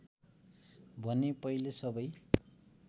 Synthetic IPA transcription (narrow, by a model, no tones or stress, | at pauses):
bʱʌnepʌilesʌbʌj